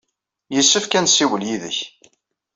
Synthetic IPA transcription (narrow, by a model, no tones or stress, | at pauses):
jəsːəfkænsiwəljiðə̰ç